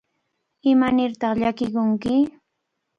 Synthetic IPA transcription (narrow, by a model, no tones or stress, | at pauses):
ɪmanɪɾt̪ɑχʎakɪkʊŋkɪ